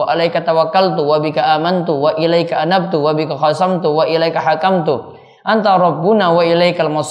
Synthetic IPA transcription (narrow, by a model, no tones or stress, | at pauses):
aʔalajkat̪awakːalt̪uwabikaʔaːmant̪uwaʔilajkaʔanab̚t̪uwabikaxasamt̪uwaʔilajkaɦakamt̪u | ʔant̪aɾˤɑbːunawaʔilajkalmas